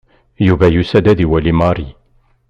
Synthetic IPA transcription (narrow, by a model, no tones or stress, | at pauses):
juvæjusæd̪æd̪iwælimɑɾˤi